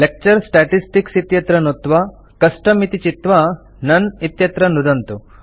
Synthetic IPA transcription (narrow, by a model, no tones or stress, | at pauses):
lek̚t͡ʃɐɾsʈaːʈisʈiksit̪jɐt̪ɾɐnut̪ʋɐ | kɐsʈɐmit̪it͡ʃit̪ʋɐ | nɐnit̪jɐt̪ɾɐnud̪ɐnt̪u